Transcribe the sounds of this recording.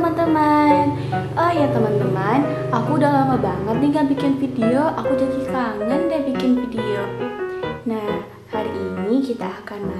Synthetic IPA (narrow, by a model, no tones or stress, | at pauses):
əmant̪əman | ɔhjat̪əmant̪əmanakudalamabaŋət̪̚niŋɡabikɪnfidioʔakud͡ʒadisaŋandabikɪnfidio | nah | haɾiʔːnikit̪aːkana